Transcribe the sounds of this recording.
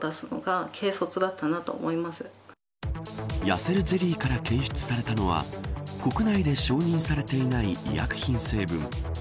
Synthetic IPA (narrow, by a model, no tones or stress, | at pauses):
d̪asɨno̞̰ɡakʰe̞ːso̞t͡sɨd̪at̪ːanat̪o̞̰ːmo̞imasɨ̥ | jase̞ɾɯ̟ze̞ɾʲiːkaɾake̞ːɕɨ̥t͡sɨ̥saɾe̞t̪ano̞β̞a̰ko̞kɯ̟naid̪e̞ɕo̞ːɲ̟ĩɰ̃saɾe̞t̪e̞inaiḭja̰kɯ̟̥çĩɰ̃se̞ːbɯ̟̃ŋ